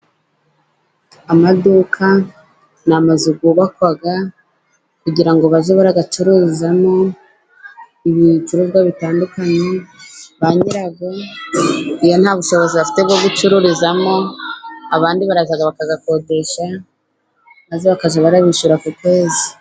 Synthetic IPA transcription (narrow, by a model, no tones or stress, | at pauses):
amadukʰa | namazuɡuβakwaɡa | kuɟiɾaŋɡoβaʒeβaɾaɡat͡ʃuɾuizamo̞ | iβit͡ʃuɾobɡaβitaːndukaɲe̞βaɲiɾaɡo | ijon̥haːβuʃo̞βo̞ziβafi̥te̞bɡo̞ɡut͡ʃuɾuɾizamo̞ | aβaːndiβaɾaʒaɡaβakaɡako̞de̞ʃa | mazeβakaʒeβaɾaβiʃuɾakutwe̞ːzi